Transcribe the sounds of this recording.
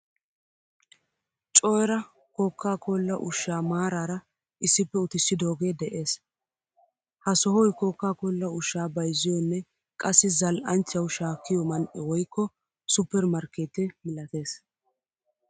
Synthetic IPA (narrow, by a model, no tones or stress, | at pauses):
t͡ʃʼɔɾɐ | koːkːaːkolːɐʔʊʃːaːmaːɾaːɾɐ | ʔɪsːɪpːɛʊt̪ɪsːɪd̪oːɡe̞ːd̪ɛʔeːs | hɐsɔɦɔjkoːkːaːkoːlːɐʊʃːaːbɐjzɪjɔnːɛ | kʼɐsːɪzɐlʔɐnt͡ʃːɐwʃaːkːɪjɔmɐnʔɛwɔjkːɔ | sʊpːɛɾmɐɾkeːt̪ɛmɪlɐt̪e̞ːs